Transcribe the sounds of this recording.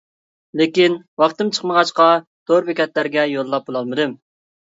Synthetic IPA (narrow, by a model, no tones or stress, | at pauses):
lekʲinwɑχt̪ɨmt͡ʃʰə̥χməʁɑʃqɑ | d̪̥oɾbekʲɛt̪læɾɡʲɛjolˠːɑp̚bolˠɑlˠmɨd̪ɨm